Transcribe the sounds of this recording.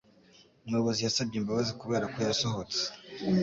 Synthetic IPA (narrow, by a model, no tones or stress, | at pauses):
mŋoβo̞zijasab̚ɟembaβazikuβe̞ːɾakujasoɦot͡se̥